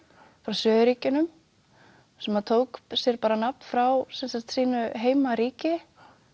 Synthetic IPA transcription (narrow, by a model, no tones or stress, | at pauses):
fɾawsœːðʏɾiːcʏnʏm | sɛmaðt̪ʰoːwksjɛɾpaːɾanap̚n̥fɾawsɛnsaxt̪siːnʏɦeːjmaɾiːcɪ